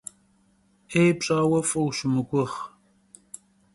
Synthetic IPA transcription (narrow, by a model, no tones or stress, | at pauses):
eːjpɕʼaːwɐfɐwɕʊmɨkʷʼʊχ